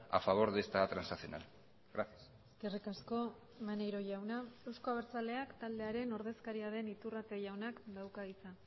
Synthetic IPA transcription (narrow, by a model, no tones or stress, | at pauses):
a̰faβ̞o̞ɾðest̪at̪ɾansasio̞na̰l | ɡɾasjas | eskerikasko̞ | manejɾo̞ʝawnaewskoaβ̞eɾt͡sale̞akt̪ald̪e̞aɾe̞no̞ɾðe̞skaɾiaðe̞nit̪urat̪e̞ʝawnakd̪awkaisa